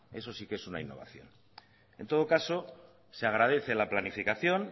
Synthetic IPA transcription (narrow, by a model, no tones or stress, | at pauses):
e̞so̞sikeesuna̰inːo̞β̞a̰θjo̞̰n | e̞̰nt̪o̞ð̞o̞kaso̞ | seaɣ̞ɾað̞e̞θe̞laplanifikaθjo̞n